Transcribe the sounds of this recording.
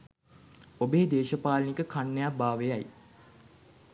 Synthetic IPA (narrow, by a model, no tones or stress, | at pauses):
obeːd̪eːʃəpaːlənikəkʰanːejabaːʋejaj